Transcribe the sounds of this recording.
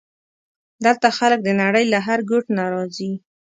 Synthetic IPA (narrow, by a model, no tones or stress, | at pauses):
d̪əlt̪axalək̚d̪ənaɽəjlaɦaɾɡʊʈnaɾɑzi